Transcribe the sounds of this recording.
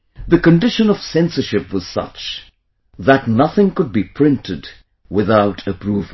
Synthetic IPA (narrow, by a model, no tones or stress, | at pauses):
ðɨkɨ̃ndɪʃə̃nʌv̥sɛ̃nsə˞ʃɪpwʌz̥sʌ̰t͡ʃ | ðətnʌθɪ̃ŋkʊd̚bipʰɹ̥ɪ̃ntʰɨd | wɪðaʊtʰɨpʰɹuv